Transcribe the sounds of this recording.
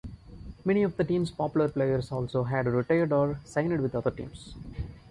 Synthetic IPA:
mɛniɔʋd̪əʈĩːmspɔpjʊləɾpleːjəɾsɔːlsoːɦæɖɾɪʈeɪəɾɖɔːɾsãɪ̃nɖʋɪd̪ʌd̪əɾʈḭ̃ːms

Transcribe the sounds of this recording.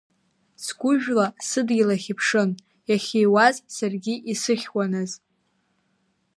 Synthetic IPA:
sɡʷʊʒᶣlasɨdɡʲilaχʲɪpʰʂɨn | jaχʲejwazsarɡʲiʔisɨχʲwanɨz

